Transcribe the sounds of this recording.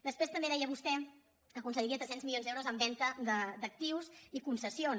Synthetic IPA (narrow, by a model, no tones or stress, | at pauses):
d̪əspɾest̪əmbeðɛjəβust̪ɛ | əkunsəɣɾiət̪ɾɛsenzmiljonzðɛwɾozəmbɛnt̪əd̪əd̪ək̚t̪iwzikunsəsion